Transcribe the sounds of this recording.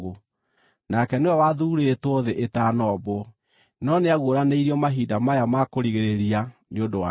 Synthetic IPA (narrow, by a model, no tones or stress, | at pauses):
o | nakɛneɔwaðuɾetwoðeʔetanɔbwɔ | nɔneaɣoɾaneiɾiɔmaɦidamajamakoɾiɣeɾeɾianeondowa